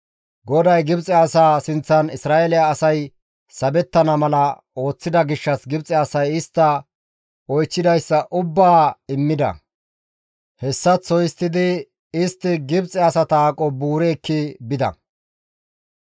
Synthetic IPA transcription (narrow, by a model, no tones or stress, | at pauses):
ɡɔd̪ɐjɡɪbt͡sʼɛɐsaːsɪnt͡sːɐnɪsɾaːʔelɪaːsɐj | sɐbɛt̪ːɐnɐmɐlɐ | o̞ːt͡sːɪd̪ɐɡɪʃːɐsɡɪbt͡sʼɛɐsɐjɪst̪ːɐ | ɔjt͡ʃːɪd̪ɐjsːɐʔʊbːaːɪmːɪd̪ɐ̰ | hɛsːɐt͡sːɔjɪst̪ːɪd̪ɪ | ɪst̪ːɪɡɪbt͡sʼɛɐsɐt̪aːkʼɔbuːɾeːkːɪbɪd̪ɐ̰